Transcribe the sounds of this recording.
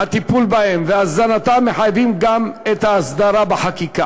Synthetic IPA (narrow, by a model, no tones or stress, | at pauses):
hat̪ipulbahemveazanat̪amːe̞ħajvimɡamet̪haːsd̪aʁabeħakika